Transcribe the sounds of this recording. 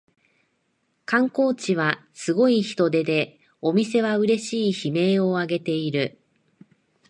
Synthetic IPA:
kãŋko̞ːt͡ɕiβ̞asɨɡo̞içi̥t̪o̞d̪e̞d̪e̞ | o̞mʲise̞β̞aɯ̟ɾe̞ɕiːçime̞ːo̞aɡe̞t̪e̞iɾɯ̟

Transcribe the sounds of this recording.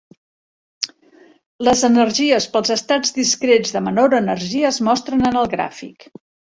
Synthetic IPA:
ləzənərʒiəspəlˠzəst̪ad͡zdiskɾed͡zðəmənoɾənəɾʒiəːzmɔst̪ɾənənəlˠɣɾa̰fḭk

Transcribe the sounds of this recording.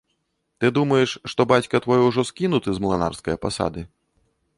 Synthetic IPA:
t̪ɨd̪umɐjɛʂːt̪ɔbat͡sʲkɐt̪vɔjɔwʐɔskʲinut̪ɨzmlˠana̰rskɐjɐpa̰sa̰d̪ɨ

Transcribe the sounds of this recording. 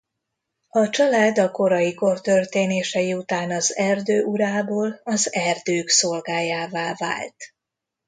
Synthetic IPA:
ɒt͡ʃɒlaːd̪ɒko̞ɾɒjiko̞rt̪ørt̪eːneːʃɛjiut̪aːnɒzɛrd̪øːʔuɾaːboːlɒzɛrd̪øːkso̞lɡaːjaːvaːva̰ːlt̪

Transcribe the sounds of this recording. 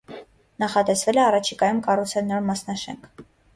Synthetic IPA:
nɑχɑt̪ɛsvɛlɛɑrɑt͡ʃʰikɑjumkɑrut͡sʰɛɾnɔɾmɑsnɑʃɛ̰ŋkʰ

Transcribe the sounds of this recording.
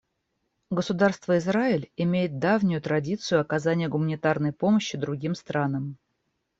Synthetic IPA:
ɡəsʊd̪arst̪vəɪzraɪlʲɪmʲejɪt̪̚d̪avnʲʊjʊt̪ɾɐdʲit̪sɨjʊɐkɐzanʲɪjəɡʊmənʲɪt̪arnəjpo̞məɕːɪd̪ɾʊɡʲimst̪ɾʔanəm

